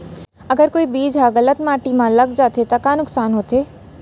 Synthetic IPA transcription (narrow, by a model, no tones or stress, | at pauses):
ɐɡəɾkoːibiːd͡ʒɦaɣɐlət̪maːʈimãlɐɡd͡ʒaːt̪et̪ɐkaːnʊksaːnɦoːt̪eː